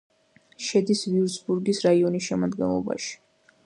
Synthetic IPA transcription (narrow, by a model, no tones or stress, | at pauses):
ʃɛd̪isviusbuɾɡisɾaiɔnisʃɛmad̪ɡɛnlˠɔ̰ba̰ʃi̥